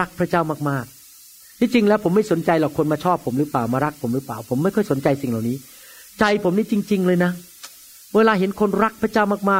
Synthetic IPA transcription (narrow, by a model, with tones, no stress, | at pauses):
a˦˥k̚pʰɾa˦˥t͡ɕaː˥˩wmaː˥˩k̚maː˥˩k̪̚ʰ | iː˧˥t͡ɕi˧ŋlɛː˦˥wpʰo˩˦mːa˥˩jso˩˦nt͡ɕa˧jlɔː˨˩kʰːo˧nmaː˧t͡ɕʰɔː˥˩pʰːo˩˦mɾɯː˦˥plaː˨˩wmaː˧ɾa˦˥k̚pʰo˩˦mɾɯː˦˥pla̰ː˨˩wpʰo˩˦mːa˥˩jkʰɔ˥˩jso˩˦nt͡ɕa˧jsi˨˩ŋlaː˨˩wniː˦˥ | t͡ɕa˧jpʰo˩˦mniː˥˩t͡ɕi˧ŋt͡ɕi˧ŋlɤː˧jna˦˥ | weː˧laː˧ɦe˩˦nkʰo˧nɾa˦˥k̚pʰɾa˦˥t͡ɕaː˥˩wmaː˥˩k̚maː˥˩